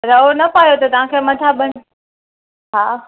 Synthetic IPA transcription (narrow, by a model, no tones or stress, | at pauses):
ɾɐonɐpaːjot̪ɐt̪ɐʋ̤ãkʰemɐt̪ʰaɓɐɽ̃̆ | ɦaː